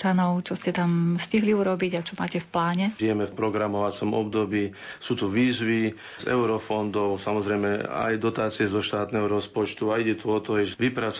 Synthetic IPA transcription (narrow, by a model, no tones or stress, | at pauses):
t͡ʃanɔʊt͡ʃɔscɛt̪amsciɦliuːɾɔbiɟat͡ʃɔmaːcɛfplaːɲɛʒijɛmɛfpɾɔɡɾamɔʋat͡sɔmɔb̚d̪ɔbiː | suːt̪uʋiːzʋi | zɛ̰ʊɾɔfɔnd̪ɔʊsamɔzɾɛjmɛa̰jd̪ɔt̪aːt͡siɛzɔʃt̪aːt̪nɛɦɔɾɔspɔt͡ʃt̪uaiɟɛt̪uɔt̪ɔɛʒʋipɾat͡s